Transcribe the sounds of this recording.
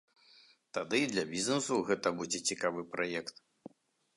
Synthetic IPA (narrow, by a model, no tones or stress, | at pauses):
t̪ad̪ɨd̪lʲɐbʲiznɛsuɣɛt̪ɐbud͡zʲɛt͡sʲikavɨpɾajɛkt̪